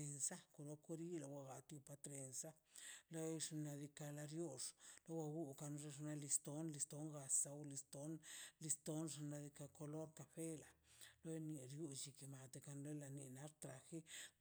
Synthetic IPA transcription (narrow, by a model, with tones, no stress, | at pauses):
e˧nsa˦ko˨lo˧ko˧˦ɾi˦la˧wa˧ɡa˨t̪ju˧pa˧t̪ɾe˧nsa˦ | lo˦jʂna˧d̪i˧ka˧la˧ɾjo˦ʂlo˦wa˧ɡu˦ka˧nʐe˧ʐna˧li˧st̪o˦nli˧st̪o˦ŋɡa˧sa˧wli˧st̪o˨˦nli˧st̪o˦nʐa˧na˧d̪i˧ka˧ko˧lo˦ɾka˧fe˦la˨lo˦jni˧ɾju˧t͡ʃi˧ki˨ma˨t̪e˧ka˧nlo˦jla˧ni˧na˦ɾt̪ɾa˨xi˦